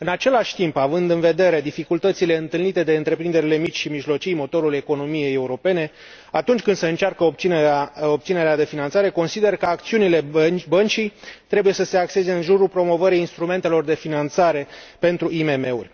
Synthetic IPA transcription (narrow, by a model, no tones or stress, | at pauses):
ɨnat͡ʃe̞laʃʲt̪impavɨnd̪ɨnve̞d̪e̞ɾe̞d̪ifikult̪ət̪sile̞ɨnt̪ɨlnit̪e̞d̪e̞ɨnt̪ɾe̞pɾind̪e̞ɾile̞mit͡ʃʲʃimiʒlo̞t͡ʃijmo̞t̪o̞ɾule̞ko̞no̞mije̞jeuɾo̞pe̞ne̞ | at̪unt͡ʃʲkɨnd̪səɨnt͡ʃarkəop̚t̪sinobt̪sine̞ɾead̪e̞finant̪saɾe̞ko̞nsid̪e̞rkəak̚t̪siunile̞bənt͡ʃijt̪ɾe̞bujesəse̞akse̞ze̞ɨnʒuɾulpɾo̞mo̞vəɾijinst̪ɾume̞nt̪e̞lo̞rd̪e̞finant̪saɾe̞pe̞nt̪ɾuime̞me̞ṵrʲ